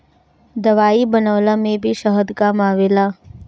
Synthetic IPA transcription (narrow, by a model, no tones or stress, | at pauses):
d̪ɐʋaːibɐnəʋlamẽbʱiʃəɦəd̪kamaːʋeːlaː